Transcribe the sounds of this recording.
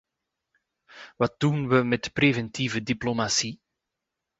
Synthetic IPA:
ʋɑt̚dunʋəmɛtprevɛntivədiplomasi

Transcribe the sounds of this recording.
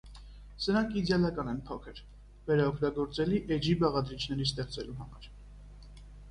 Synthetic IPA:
səɾɑŋkʰid̪jɑlɑkɑnɛnpʰɔkʰəɾ | vɛɾɑɔkʰt̪ɑɡɔɾt͡sɛliʔɛd͡ʒibɑʁɑd̪ɾit͡ʃʰnɛɾist̪ɛχt͡sɛluɦɑmɑ̰ɾ

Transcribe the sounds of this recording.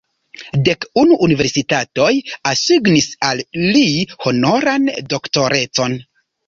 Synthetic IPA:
de̞kunuʔːnive̞ɾsitato̞jasiɡnisalːiho̞no̞ɾando̞kto̞ɾe̞t͡so̞n

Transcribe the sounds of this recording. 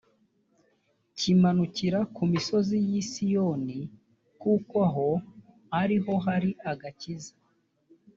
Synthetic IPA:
cimanuciɾakumiso̞zijisijoni | kukwaɦo̞ | haɾiɦo̞ɦaɾiʔaɡaciza

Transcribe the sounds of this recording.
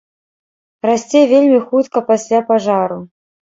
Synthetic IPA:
rasʲt͡sʲɛvʲelʲmʲixut̪kɐpasʲlʲapaʐaɾu

